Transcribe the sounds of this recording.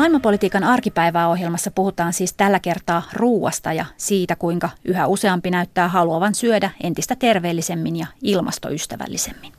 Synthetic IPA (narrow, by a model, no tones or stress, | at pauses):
mɑilmɑpo̞lit̪iːkɑnɑrkipæjʋæːo̞ɦjelmɑsːɑpuhut̪ɑːnsiːst̪ælːæke̞rt̪ɑːruːwɑ̰st̪ɑjɑ̰siːt̪ækujŋkɑyɦæuse̞ɑmpinæyt̪ːæːɦɑluɑʋɑnsyødæʔe̞̰nt̪ist̪æt̪e̞rʋe̞ːlːise̞mːinjɑilmɑ̰st̪o̰yst̪æʋæ̰lːisemːin